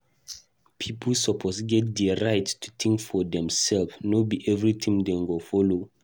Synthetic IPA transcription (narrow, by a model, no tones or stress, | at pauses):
pʰipʰlsɔpʰosɡɛt̚dɛɹajttʰu̥tʰĩŋkfɔdɛ̃msɛlfnobiʔɛvɹitʰĩmdɛŋɡofɔlo